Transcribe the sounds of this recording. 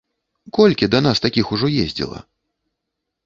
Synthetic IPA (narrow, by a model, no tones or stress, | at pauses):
kɔlʲkʲid̪ɐnast̪akʲixuʐɔjezʲd͡zʲḭlˠɐ̰